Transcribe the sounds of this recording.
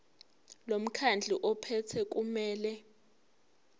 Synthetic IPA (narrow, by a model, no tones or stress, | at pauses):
lom̩kʰand͡ɮʱiʔɔpʰɛtʰɛk̬ʼumɛːlɛ